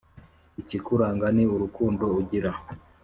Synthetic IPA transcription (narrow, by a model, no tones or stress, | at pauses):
icikuɾaːŋɡaniuɾukuːndo̞uɟiɾa